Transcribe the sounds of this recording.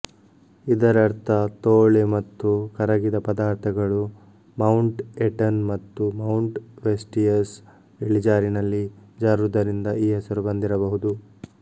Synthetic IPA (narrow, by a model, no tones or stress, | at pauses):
id̪ɐɾɐɾt̪ʰɐt̪oːɭemɐt̪ːukɐɾɐɡid̪ɐpɐd̪aːɾt̪ʰɐɡɐɭu | mɐwɳʈeʈɐnmɐt̪ːumɐwuɳʈʋesʈijɐs | iɭid͡ʒaːɾinɐlːid͡ʒaːɾuɾud̪ɐɾind̪ɐiːɦɛsɐɾubɐnd̪iɾɐbɐɦud̪u